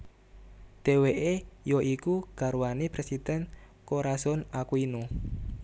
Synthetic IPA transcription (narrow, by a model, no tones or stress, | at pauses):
d̪̥e̤weʔejoʔikuɡ̥a̤ɾuanipɾesid̪̥ɛn | koɾasɔnakuinu